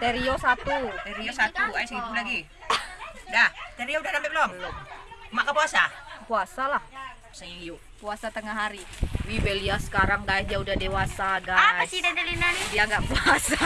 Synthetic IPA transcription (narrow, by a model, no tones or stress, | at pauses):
t̪eɾiosat̪ut̪ɛɾiosat̪uajsit̪ulaɡi | daht̪ɛɾioudahdampɛp̚lɔŋlmmakapuasapuasalah | səiu | puasat̪əŋaɦaɾiwibeliasə̥kaɾaŋɡaɛd͡ʒaudahdewasaɡaaisidadalinanidiaŋɡaʔpuasa